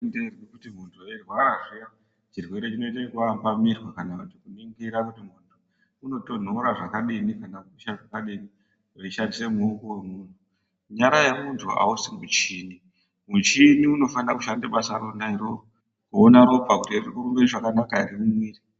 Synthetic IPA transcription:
nderwikutim̤untʰuerwaɾaʐija | t͡ʃirwe̞ɾe̞t͡ʃino̞itekuambamirwakanakutikuniŋɡiɾakutimuntʰu | uno̞to̞n̤oɾaʐakaɗinikanakuʃaʐakaɗini | eiʃandise̞muukowemuntʰu | ɲaɾajemuntʰua̰usimut͡ʃini | mut͡ʃiniuno̞fanirakuʃandeɓasaɾonaiɾo | kuonaɾo̞pakutirikuɾumbeiʐakanakaiɾimumwiːre

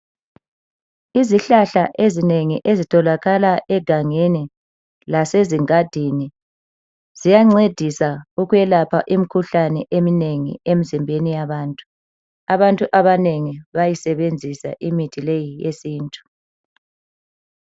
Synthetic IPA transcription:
iziɬaɬaʔezineŋiʔezitʰɔlaɣalaʔɛɡ̥ʱaŋeni | laseziŋad̥ʱini | zijaŋ͡ǀed̥ʱisauɣujɛlapʰaʔim̩kʰuɬanɛ̰ʔemineŋḭem̩zimbʱenijaβaːntʼu̥ | aβantʼuʔaβaneŋiβajisɛβend͡zʱisa̰ʔimitʰilejijesiːntʼu̥

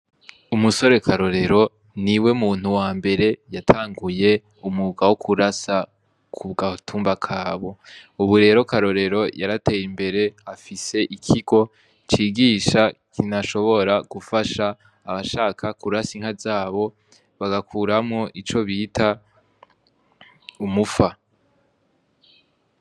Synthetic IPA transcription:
umuso̞ɾe̞kʰaɾo̞ɾe̞ɾo̞ | niwe̞muːn̥uwaːmbe̞ɾe̞jatʰaːŋɡuje̞ | umuɡawokʰuɾasa | kʰuβɡatʰuːmbakʰaːβo̞uβuɾe̞ɾo̞kaɾo̞ɾe̞ɾo̞jaɾate̞ːjimbe̞ɾe̞afise̞ʔikʰiɡo̞ | t͡ʃiːɡiːʃakinaʃo̞βo̞ɾaɡ̥ufaʃaː | βaʃaːkʰakuɾasiŋ̥azaːβo̞ | βaɡakʰuːɾamŋoʔit͡ʃo̞βitʰa | umufa

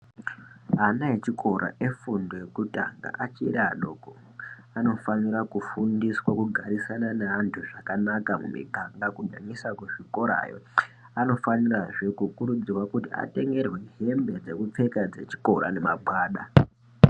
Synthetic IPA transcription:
ɦanaet͡ʃikʰo̞ɾa̰ʔe̞fundojekuta̰ŋɡa̰ʔat͡ʃiɾaɗo̞ːko | ano̞faniɾakufundiswakuɡʱaɾisananeantʰuʐakanakamṵmḭkaŋɡakuɲamisakwuʐiko̞ɾa̰ːjo̞̰ | ano̞faniraʐe̞kukuɾud͡zirwakutia̰te̞ŋɡe̞rwe̞ɦembe̞d͡ze̞kup͡fe̞kad͡ze̞̰t͡ʃi̥ko̞ɾa̰ne̞maɓwaːɗa

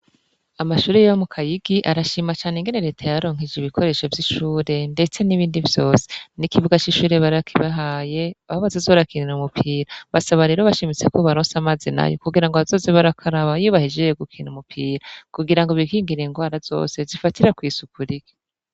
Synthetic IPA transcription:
amaʃuːɾejjomukʰajiɡiʔaɾaʃiːmat͡ʃaːneŋɡe̞neɾe̞ːtʰajaɾoːŋ̥ɦid͡ʒiβikʰo̞ɾe̞ːʃo̞vjiʃuːɾe̞nde̞t͡se̞niβiːndivjo̞ːse̥nikivuɡat͡ʃiʃuːɾe̞βaɾakʰiβaɦaːje̞aoβazazo̞ːɾakʰininumupʰiːɾaβasaβaɾe̞ɾo̞βaʃimit͡se̞koβaɾoːnsamaːzina̰jo̰kuɡiɾaŋɡoβazo̞ːzeβaɾakʰaɾaβajuβahid͡ʒejoɡukʰinumupʰiːɾakuɡiɾaŋɡoβikiːŋɡiɾeŋɡwaːɾaz̥o̞̰ːse̞zifatiɾakwiːsukʰuɾiɡ̥i̥

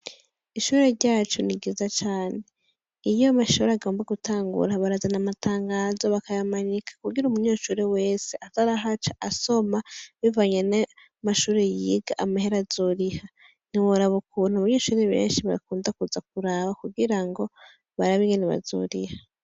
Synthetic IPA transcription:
iʃuːɾe̞ɾɟaːt͡ʃuniɡizat͡ʃaːne̞ | ijomaʃuːɾeaɡo̞ːmbaɡutaːŋɡṵɾaβaɾazanamatʰaːŋɡaːzo̞βakajamaɲikʰḁkuɡiɾumuɲuːʃuːɾeweːseataɾaɦat͡ʃaʔaso̞maβivaɲena | maʃuːɾe̞jiːɡaʔamahe̞ɾazuɾiha | n̥iwoɾaβukʰuːn̥huaβaɲeːʃuːɾeβe̞̰ːnʃiβaɾḭkuːndakuzak̚uɾaβakuɡiɾaŋɡo̞ | βaɾaβiŋɡeneβa̰zṵɾiha

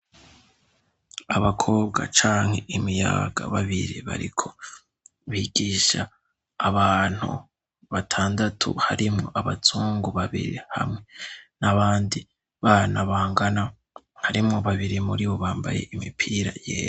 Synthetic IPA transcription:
aβakʰo̞ːb̚ɡa̰t͡ʃaːŋhe̞̰ʔimija̰ːɡa̰βaβiɾiβa̰ɾikʰo̞̥ | βiɡ̥iːʃaː | βaːn̥hṵ | βatʰaːndatʰṵhaɾimŋo̞ʔaβatʰuːŋɡuβaβḭɾiha̰mŋe̞naβaːndi | βanaβaːŋɡana | haɾimŋo̞βaβiɾimuɾiβo̞βaːmba̰je̞̰ʔimipʰiːɾa̰jḛːj

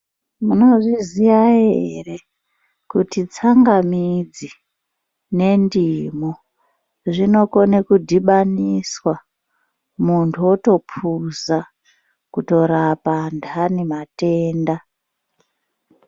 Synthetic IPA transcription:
muno̞ʐiziʋaɦere̞ | kutit͡saŋɡamid͡zi | ne̞ndimo | ʐino̞konekudʱiɓaniswa | muntʰuoto̞pʰuza | kuto̞ɾapandanemate̞ːnda

